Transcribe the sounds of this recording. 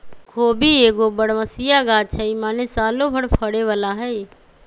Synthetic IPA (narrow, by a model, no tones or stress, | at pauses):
kʰoːbʱiːeːɡoːbəɽʋəsijaːɡaːt͡ʃʰəiːmaːneːsaːloːbʱəɽpʰəɽeːʋəlaːɦɛː